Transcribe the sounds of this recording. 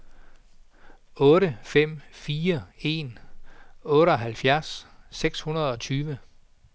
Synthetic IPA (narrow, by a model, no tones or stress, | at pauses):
ɔ̽ːɾəfem̰fiːɐe̝ːn | ɔ̽ːɾəɒ̽ɦælfjæɐsːeɡ̥shunɐð̞̩ˠɒ̽t͡sʰyːʋə